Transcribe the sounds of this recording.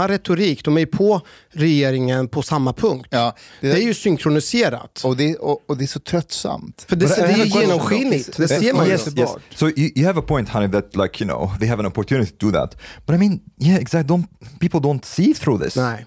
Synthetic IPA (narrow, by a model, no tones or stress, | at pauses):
aɾɛt̪ʊɾiːkd̪ɔmɛjpʰɔ | ɾɛjeːɾɪŋənpʰɔsamːapʰɵŋk̚t̪d̪ɛæɾjɵsʏŋkʰɾʊnɪseːɾa̰t̪ɔd̪ɛɔːd̪ɛæsɔt̪ʰɾœt̪sa̰mt̪fəɖɛdɛjəjeːnɔmɧinɪt̪d̪ɛssesːmanɛɛ̰sojɨjɨævəpʰɔ̃ɪ̃nt̪hãnɪðæt̪̚laɪkʰjɨno̰ʊðeɪɦævə̃nɔpɔɹt̪ʰjʉːnɪt̪ɪ̥t̪ʰəd̪əðæ̰t̪b̥ɐɾaɪmĩnjæɛɡzæk̚t̚d̪ɔnpiːpl̩ˠdõʊ̃nt̪siːθɾuðɪ̰snɛɪ